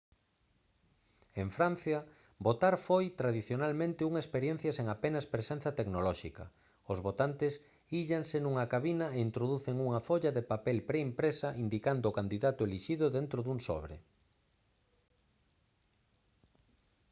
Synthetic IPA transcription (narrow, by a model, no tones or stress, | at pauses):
eɱfɾan̟θjɐ | bot̪aɾfojt̪ɾaðiθjonalmẽnt̪ɪuŋaespeɾjen̟θjɐseŋapenɐspɾesẽn̟θɐt̪eknolɔʃḭkɐ̰ | ozβot̪ant̪ɪs | iʎansenuŋɐkaβinɐeint̪ɾoðuθeŋuŋɐfoʎaðepapelpɾeimpɾesɐʔind̪ikand̪oʊːkand̪iðat̪ʊeliʃiðʊðent̪ɾoðuŋsɔ̰βɾḛ